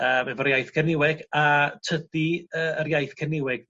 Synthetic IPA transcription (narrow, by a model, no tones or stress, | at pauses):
əːmɛvɔɾjajθkʰɛnɪwɛɡatʰədiəːərjajθkʰɛnɪwɛɡ̥̚